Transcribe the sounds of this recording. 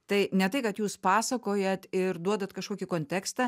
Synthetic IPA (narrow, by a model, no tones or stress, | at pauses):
t̪ɐɪnʲɛt̪ɐɪkɐt̪juːspɑːsɐkoːjɛt̪ɪɾd̪uɔd̪ɐt̪kɐʃkoːkʲɪkoːnʲt̪ʲæːkst̪ɑ